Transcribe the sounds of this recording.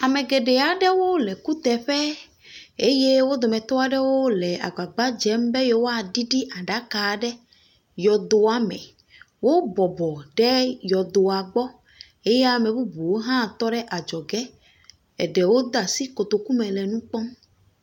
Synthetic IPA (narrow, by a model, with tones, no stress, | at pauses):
a˨mɛ̃˨ɡɛ˨ɖɛ˨a˨ɖɛ˦wo˦lɛ˨ku˦t̪ɛ˨ɸɛ˦ | e˦je˦wo˦d̪o˨mɛ̃˨t̪ɔ˦a˨ɖɛ˦wo˦lɛ˨a̰˨ɡ͡ba˨ɡ͡ba˦d͡ʒɛ˨˦m˦be˦je˦wo˦a˨ɖi˦ɖi˦ʔa˨ɖa˨˦ka˨ɖɛ˦ | jɔ˨d̪o˨a˨mɛ̰̃˨ | wo˦bɔ˨bɔ˨ɖɛ˦jɔ˨d̪o˨a˨ɡ͡bɔ˦ | e˦je˦a˨mɛ̃˨bu˦bu˨wo˦ɦã˦˨t̪ɔ˦ɖɛ˦ʔa˨d͡ʒɔ˨ɡɛ˦ | ɛ˨ɖɛ˨wo˦d̪a˨si˦ko˨t̪o˨ku˦mɛ̃˨lɛ˨nũ˦k͡pɔ˦